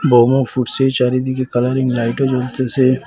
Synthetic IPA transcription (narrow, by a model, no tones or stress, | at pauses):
boːmõfʰuːʈset͡ʃaːɾid̪ikekɐləɾɪ̃ŋɡlaːɪʈod͡ʒoːlt̪ese